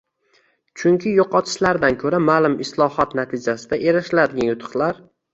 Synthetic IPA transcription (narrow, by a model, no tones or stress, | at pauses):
t͡ʃʰʊŋkʲʰɪjoqʰɒt̪ʰɪ̥ʃlaɾd̪ankʲʰɵɾamalɪmɪslˠɒhɒt̪nat̪ʰɪd͡ʒasɪd̪aʔeɾaʃlad̪ɪɡʲanjʊt̪ʰɨ̥χlˠaɾ